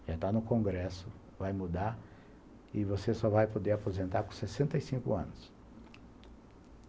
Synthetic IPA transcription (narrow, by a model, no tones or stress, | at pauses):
ʒ̥at̪anʊkõɡɾɛsʊ | vajmud̪aɾ | ɪvosesɔvajpod̪eapozẽnt̪aɾkõsesẽnt̪ɐjsĩkʊ̰ɐ̰̃nʊs